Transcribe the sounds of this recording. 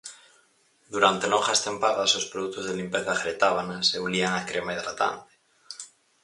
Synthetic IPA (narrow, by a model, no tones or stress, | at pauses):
d̪uɾant̪eloxast̪ẽmpaðasospɾoðuk̚t̪ozðelimpeθaɣɾet̪aβanaseuliaŋakɾemaeðɾat̪a̰nt̪e̥